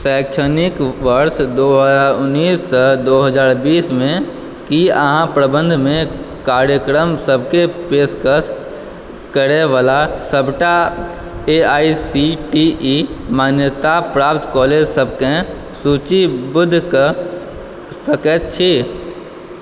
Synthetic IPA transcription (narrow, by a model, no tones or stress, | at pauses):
sɛːkʃʰənɪkʋəɾʃd̪oɦəaʊnːiːsːəd̪oːɦəd͡ʒaːɾbiːsmẽ | kiəɦãpɾəbə̃nd̪ʱmẽ | kaːɾjəkɾəmsəb̚ʱkepeːskəs | kəɾeʋaːlasəbʱʈa | eaːisiʈiimaːnjət̪apɾaːpt̪kɔːleːd͡ʒsəbʱkẽ | suːt͡ʃibʊd̪ʱːkə | səkɛt̪̚t͡ʃʰi